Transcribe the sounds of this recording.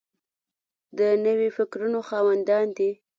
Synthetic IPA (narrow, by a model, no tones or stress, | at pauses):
d̪ənəwefɪkɾunoxɑwand̪ɑnd̪i